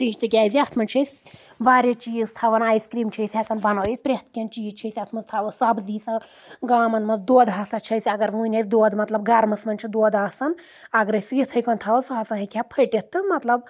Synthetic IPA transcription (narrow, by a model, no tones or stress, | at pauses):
pɾiːt͡ʃʰt̪ɨkʲaːzʲiɐt̪ʰmɐnt͡ʃʰɐsʲ | ʋaːɾʲɐt͡ʃiːzt̪ʰɐʋɐnaːjskɾiːmt͡ʃʰijsʲɐkɐnbɐnojik̪̚pɾʲet̪̚ʰkʲɐnt͡ʃiːzt͡ʃʰɐsʲɐt̪ʰmɐnzt̪ʰɐʋɐsɐbziːsɐ | ɡaːmɐnmɐnzd̪oːd̪ɦaːsɐt͡ʃʰɐsʲɐɡɐɾʋuːnʲɐsʲd̪oːd̪mɐt̪lɐb̚ɡɐɾmɐsmɐnʲt͡ʃʰid̪oːd̪aːsɐn | ɐɡɐɾɐsʲijit̪ʰɐjkɐnt̪ʰɐʋɐsɦasɐɦɐkʰʲapʰɐʈʲet̪ːɨmɐt̪lɐb